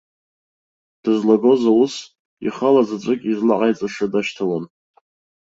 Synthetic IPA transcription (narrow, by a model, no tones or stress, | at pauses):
d̥ɨzlaɡo̞zaus | ḭχalazaʈ͡ʂʷʼɨkʲʼizlaʕajt͡sʼaʂadaʃtʰawan